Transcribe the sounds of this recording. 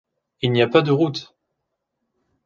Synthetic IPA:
ilniapad̪əʁut̪

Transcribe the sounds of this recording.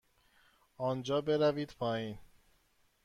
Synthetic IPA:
ɒːnd͡ʒɒːbe̞ɾæviːd̪̥pʰɒːjiːn

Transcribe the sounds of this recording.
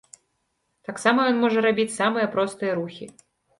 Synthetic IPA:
t̪aksamɐjɔnmɔʐɐɾabʲit͡sʲsamɨjɐpɾɔst̪ɨjɐɾuxʲi

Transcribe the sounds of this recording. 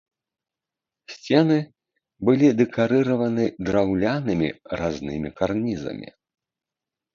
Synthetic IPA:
sʲt͡sʲɛnɨ | bɨlʲid̪ɛkaɾɨɾɐvɐnɨd̪ɾawlʲanɨmʲḭɾaznɨmʲikarnʲizɐ̰mʲḭ

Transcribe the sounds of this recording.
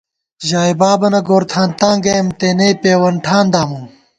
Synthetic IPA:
ʑaːjbaːbɐnɐɡoːɾt̪ʰaːnt̪ãːŋɡɐmt̪eːneːpeːwɐɳʈʰaːnd̪aːmuː

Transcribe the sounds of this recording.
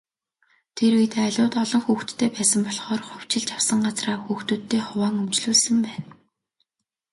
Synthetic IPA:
t̪ʰeret̪aɮʲʊːt̪ɔɮɞ̆ŋxuːxt̪ʰːeːpæːsə̆mpɔɮχɔːrχʊw̥t͡ɕɪ̆ɮt͡ɕawsə̆ŋɢat͡sraːxuːxt̪uːt̪ʰːeːχʊwaːŋɵmt͡ɕɮuːɮsɵ̆mpæːn

